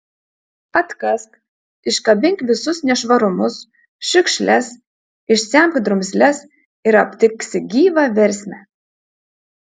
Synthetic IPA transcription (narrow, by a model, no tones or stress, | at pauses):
ɐt̪kɐsk | ɪʃkɐbʲɪŋʲkʋʲɪsʊsnʲɛʃʋɐɾʊmʊs | ʃʲɪkʃʲlʲæs | ɪʃsʲæmkʲd̪ɾʊmʲsʲlʲɛs | ɪɾɐpʲt̪ʲɪkʲsʲɪɡʲiːʋɑʋʲɛɾʲsʲmʲæ